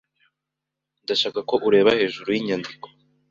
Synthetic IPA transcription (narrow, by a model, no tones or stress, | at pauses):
ndaʃaːkako̞ʔuɾe̞ːβahe̞ːʒuɾujiɲandiko̥